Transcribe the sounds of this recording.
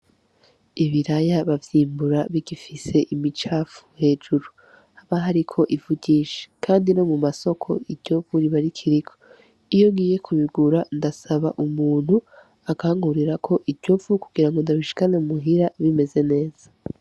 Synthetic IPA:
iβiɾajaβavjiːmbuɾaβiɡifise̞ʔimit͡ʃaːfu̥he̞ːd͡ʒuɾu | haβaɦaɾikʰo̞ʔivuɟiːʃe̥kʰaːndino̞mumaso̞kʰo̞̰iɟo̞vuɾiβaɾikʰiɾikʰo̞̥ | ijo̞ŋɡiːje̞kʰuβiɡuɾandasaβaʔumuːn̥hu | akaːŋɡuɾiɾakʰo̞ʔiɾɟo̞vukuɡiɾaŋɡo̞ndaβiʃi̥kaneumuɦiɾaβime̞ze̞ne̞ːz̥ḁ

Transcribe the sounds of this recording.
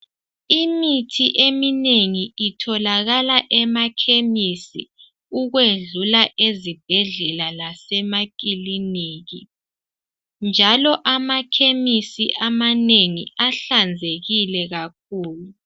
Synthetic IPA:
imitʰiʔemineŋiitʰɔlaɣalaʔɛmakʰemisḭ | uɣweɮulaʔezib̥ʱɛɮɛlalasɛmak̬ʼiliniːɣi | nd͡ʒʱalɔʔamakʰemisiʔamaneŋiaɬand͡zʱeɣilɛɣak̚ʰuːlu

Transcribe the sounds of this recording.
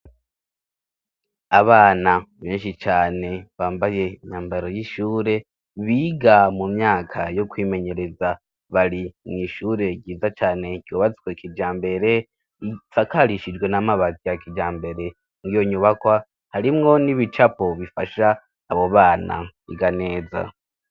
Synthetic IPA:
aβaːnaβeːnʃit͡ʃaːne̞βaːmbaje̞iɲaːmbaɾo̞jiʃuːɾe̞ | βiːɡamumɲaːkʰajo̞kwiːme̞ɲe̞ɾe̞za | βaɾimŋiːʃuːɾe̞ɟiːzat͡ʃaːne̞ɟ̥joβat͡si̥kwekʰid͡ʒaːmbe̞ɾe̞ | isakaɾiʃid͡ʒɡwe̞namaβazijakid͡ʒaːmbe̞ɾe̞ | ŋijo̞ɲuβakwa | haɾimŋo̞niβit͡ʃapo̞βifaʃaː | βo̞βaːna̰ḭɡane̞ːza̰

